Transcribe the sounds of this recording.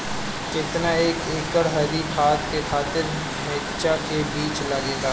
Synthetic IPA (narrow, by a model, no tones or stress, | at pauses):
kɪt̪naeːkeːkəɽɦɐlikʰaːt̪kexʰaːt̪ɪɾ | mɪtt͡ʃakebiːt͡ʃlaɡeːɡaː